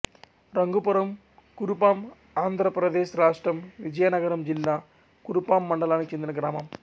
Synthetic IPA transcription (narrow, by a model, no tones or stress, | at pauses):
ɾɐŋɡupuɾɐm | kuɾupaːm | aːnd̪ʱɾɐpɾɐd̪e̞ːʃɾaːʂʈrɐmʋid͡ʒɐjɐnɐɡɐɾɐmd͡ʑilːaː | kuɾupaːmːɐɳɖɐlaːnit͡ɕend̪inɐɡɾaːmɐm